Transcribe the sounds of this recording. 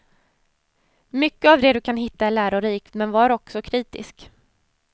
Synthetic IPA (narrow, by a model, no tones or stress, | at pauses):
mʏkːəavd̪ɛd̪ɵkʰanɦɪt̪ːaɛlæːɾʊɾiːk̪mɛnvɑːɾaɔksɔkʰɾiːt̪ɪ̰sk